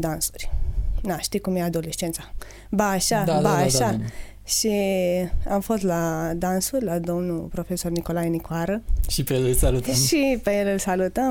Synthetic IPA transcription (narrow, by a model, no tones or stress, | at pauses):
d̪ãnsu̥ɾinaʃt̪ikumiad̪olest͡ʃent͡sa | baːʃabaʃa | ʃi | amfost̪lad̪ansuɾʲlad̪omnupɾofesornikolajnikwaɾəʃipeləlsalut̪ʃipeɾəlsalut̪a